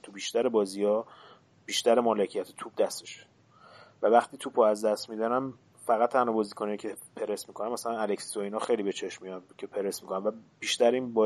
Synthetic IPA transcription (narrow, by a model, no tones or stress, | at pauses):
t̪ʰubiːʃt̪æɾebɒːziːɒː | b̥iːʃt̪æɾemɒːlecʰijæt̪ʰe̥t̪ʰub̚d̪æst̪e̥ʃe̥ | vævæxt̪ʰiːt̪ʰupoæzd̪æst̪mid̪ænæm | fæɣæt̪ːʰænɒːbɒːziːkʰoneicʰepʰe̞ɾesmikʰo̞næmːæsælænælecsi̥oiːnɒxe̞jlibe̞t͡ʃʰe̞ʃmijɒncʰe̞pʰe̞ɾe̞smikʰonænvæb̥iːʃt̪æɾiːnbɒː